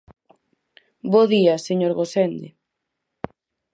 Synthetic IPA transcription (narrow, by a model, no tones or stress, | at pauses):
boðiaseɲoɾɣosend̪e